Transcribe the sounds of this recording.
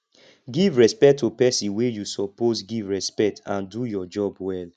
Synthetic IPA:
ɡivɹɛspɛk̚tʰːupɛsĩnwejusɔposɡivɹɛspɛk̚tʰãndujɔd͡ʒɔbwɛl

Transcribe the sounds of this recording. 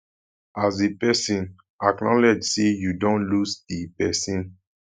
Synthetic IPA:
azepɛsĩn | aknɔlɛd͡ʒsejudɔ̃nlusdipɛsĩn

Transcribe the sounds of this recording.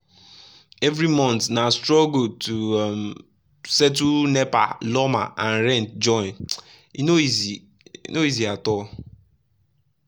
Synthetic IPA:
ɛvɾimɔ̃ntnastɹɔɡotum | sɛt̬unɛpa̰lɔma̰ʔãnɾɛ̃ntd͡ʒɔ̃ɪ̃n | inoizi | ḭnoiziatɔ

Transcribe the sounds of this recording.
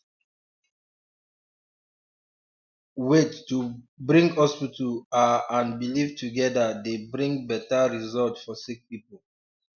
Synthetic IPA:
wetːu | bɹĩŋɡhɔspitəaãnbilivtuɡɛdadebɹĩŋɡbɛtaɹizɔltfɔsik̚pipol

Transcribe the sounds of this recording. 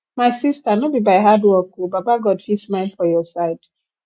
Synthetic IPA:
maɪsistanobibaɪɦadwɔkobabaɡɔdfismãɪ̃nfɔjɔsaɪd

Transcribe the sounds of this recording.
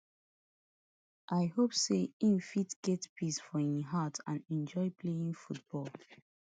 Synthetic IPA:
ʔajhopseĩnfitɡ̥ɛtpʰisfɔĩɦatʰãnɛ̃nd͡ʒɔɪpʰleĩŋfut̚b̥ɔl

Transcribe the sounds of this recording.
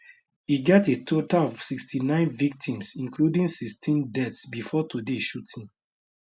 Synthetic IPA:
hiɡɛtetʰotalɔv̥sikstʰinãɪ̃nvik̚tʰĩmsĩŋkludĩŋsikstĩndɛtsbifɔtudeʃutʰĩn

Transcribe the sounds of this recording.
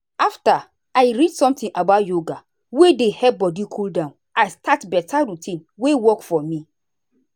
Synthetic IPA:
afta | aɪɹidsɔ̃mtĩŋʔabaʊtjoɡa | wedehɛbɔdikʰuldãn | aɪstʰatbɛtʰaɹitʰĩnwewɔkfɔmi

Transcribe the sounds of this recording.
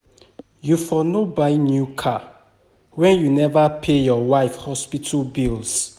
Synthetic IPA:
jufɔnobainjukʰa | wɛ̃njunɛvapʰejɔwaɪfhɔspitʰabils

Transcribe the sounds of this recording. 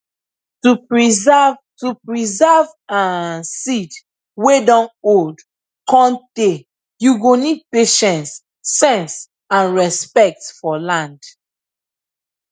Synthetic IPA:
tuɹivtupɹizɛv | ãsid | wedɔ̃nod | kɔ̃nte | juɡonid̚peʃɛ̃nsː | ɛ̃ns | ãnɹɛspɛk̚tfɔlãnd

